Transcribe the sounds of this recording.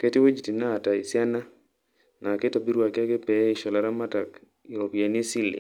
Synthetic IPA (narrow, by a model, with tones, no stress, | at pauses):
ke˦ti˦we˦d͡ʒi˨ti˨naː˦˨ta˨i˨sja˦na˦ | na˨ke˦tɔ˨bi˦ɾwa˨ka˦ke˦pɛ˨˦i˦ʃɔ˨la˨ɾa˦ma˦ta˨k | i˨o˨pja˨ni˦si˦lḭ˨